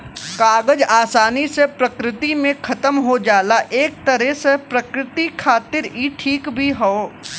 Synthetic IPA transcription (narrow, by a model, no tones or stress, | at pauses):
kaːɡəd͡ʒaːsaːnisepɾɐkɾɪt̪imẽkʰɐt̪əmɦod͡ʒaːlaʔeːk̚t̪ɐɾɛsepɾɐkɾɪt̪ikʰaːt̪ɪɾiʈʰiːkbʱiɦoo